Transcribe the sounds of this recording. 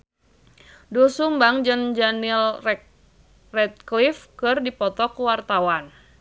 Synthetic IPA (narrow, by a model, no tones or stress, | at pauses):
dosumbaŋd͡ʒənd͡ʒanilrɛ | rɛt̪̚klifkɨrdipɔt̪ɔkuwart̪awan